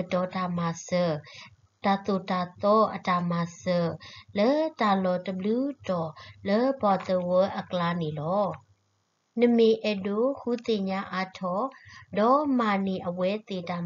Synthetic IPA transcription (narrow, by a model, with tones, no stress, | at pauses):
dɔ˨da˨ma˨sə˨ | d̥a˨t̪o˨da˨t̪ɔ˦ʔə˨da˨ma˨sə˨lə˦d̥a˨lɔ˨tə˨blu˦tɔ˨lə˦ba˨t̪ə˨wə˦ʔə˨kəla˦ne˨lɔ˦ | nə˨me˨ʔɛ˨do˦˨hu˨t̪e˨ɲa˦ʔa˦tʰɔ˦˨dɔ˨˦ma˨ni˨ʔə˨wɛ˦t̪e˨da˨